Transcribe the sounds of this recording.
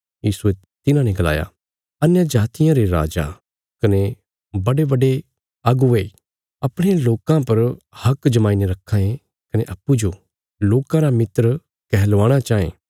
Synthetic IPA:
jiːsue | t̪ɪnãnɛ̃ɡɐla̰ːja̰ | ɐnjad͡ʒaːt̪ɪjãɾeɾa̰ːd͡ʒa̰ | kɐne | bɐɽebɐɖe | ɐɡʊe | ɐpɽ̃eloːkãpɐɾ | hɐkd͡ʒɐmaːineɾɐkʰːãːẽ | kɐneʔɐpːud͡ʒo | loːkãɾamɪt̪ɾ | kɛɦlʋaːɽ̃at͡ʃaːḛ̃ː

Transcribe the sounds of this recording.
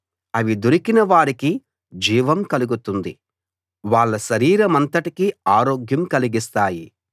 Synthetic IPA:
ɐʋid̪uɾikinɐʋaːɽiki | d͡ʒiːʋɐmkɐluɡut̪und̪i | ʋaːɭːɐʃɐɾiːɾɐmɐnt̪ɐʈikiaːɾo̞ːɡjɐmkɐliɡist̪aːji

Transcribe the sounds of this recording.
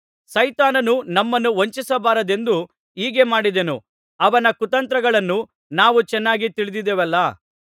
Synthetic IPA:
sɐjt̪aːnɐnunɐmːɐnːuʋoɲt͡ʃisɐbaːɾɐd̪e̞nd̪u | iːɡe̞maːɽid̪enṵ | ɐʋɐnɐkut̪ɐnt̪ɾɐɡɐɭɐnːu | naːʋut͡ʃɛnːaːɡit̪iɭid̪id̪eʋɛlːɐ

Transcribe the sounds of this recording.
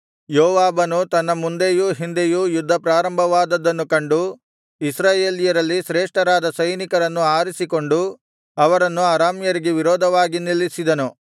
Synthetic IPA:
joːʋaːbɐnut̪ɐnːɐmund̪ejuɦind̪ejujud̪ʱːɐpɾaːɾɐmbʱɐʋaːd̪ɐd̪ːɐnːukɐɳɖu | isɾaːje̞ːlijɐɾɐlːiʃɾeːʂʈɐɾaːd̪ɐsɐjnikɐɾɐnːuaːɾisiko̞ɳɖu | ɐʋɐɾɐnːuaːɾaːmjɐɾiɡeʋiɾɔːd̪ʱɐʋaːɡinilːisid̪ɐnu

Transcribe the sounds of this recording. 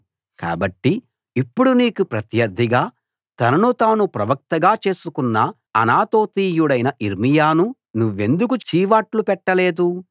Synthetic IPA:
ka̰ːbɐʈːi | ipːuɽuniːkupɾɐt̪jɐɾd̪ʱːiɡaː | t̪ɐnɐnut̪aːnupɾɐʋɐk̚t̪ɐɡaːt͡ʃe̞ːsukunːɐ | ɐ̰naːt̪o̞ːt̪iːjuɽɐjnɐʔiɾmijaːnu | nuʋːe̞nd̪uk̬ut͡ʃiːʋaːʈlupɛʈːɐle̞ːd̪u

